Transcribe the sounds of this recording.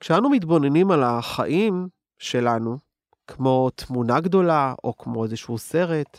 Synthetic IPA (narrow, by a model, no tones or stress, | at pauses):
kʃeanumit̪̬bo̞nenimalaχa̰ʔim | ʃe̞lanu | kmo̞t̪munaɡdo̞lao̞kmo̞ezeʃuse̞ʁe̞t̪